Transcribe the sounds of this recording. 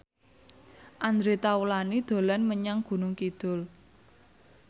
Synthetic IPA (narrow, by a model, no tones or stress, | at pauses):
ʔand̪ɾet̪awulanid̪̥o̤lanməɲaŋɡ̥ṳnʊŋkid̪̥ʊ̤l